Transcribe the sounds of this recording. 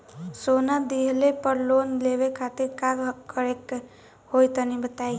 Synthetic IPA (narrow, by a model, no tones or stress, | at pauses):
sonad̪iɦlepəɾlonleʋekʰat̪iɾkaɡəɾek | hojt̪ənibət̪ai